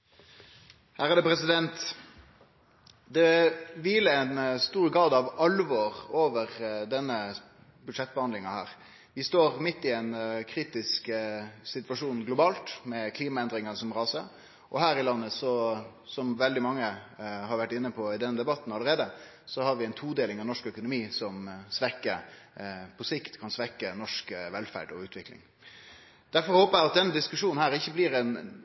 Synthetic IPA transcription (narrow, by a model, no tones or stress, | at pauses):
hæːɾʁɑd̪ɛpʰɾɛsɪd̪ɛnt̪ | d̪ɛʋiːləɛnst̪uːɾɡɾɑːd̪ɑʋɑlːʋoːɾoːʋəʁd̪ɛnːə | bʉd̪ʂɛt̪̚ːbəhɑnd̪lɪŋɑhæ̰ːʁ | ʋɪst̪oːʁmɪt̪ːɪɛnkʰɾiːt̪ɪsksɪt̪ʋɑʂuːnɡlʊbɑːlt̪mɛkʰliːmɑɛnd̪ɾɪŋənəsɔmʁɑːsə | ʔɔɦæːɾɪlɑnːəsɔ | sɔmʋɛld̪ɪmɑŋːəhɑɾʋæʈːɪnːəpʰɔɪd̪ɛnːəd̪ɛbɑt̪ːn̩ɑlːəɾeːd̪ə | sɔhɑɾʋɪɛɪnt̪ʰuːd̪eːlɪŋɑʋnɔʂkœkʊnʊmiːsɔmsʋɛkːə | pʰɔsɪkt̪kʰɑnsʋɛkːənɔʂkʋɛlfæ̰ɖɔ̰ʉːt̪ʰʋɪklɪ̰ŋ | d̪̥æɾfɔɾhoːpəæɪɑt̪̚d̪ɛnːəd̪ɪskʉʂuːnn̩hæːɾɪçːəbliɾɛn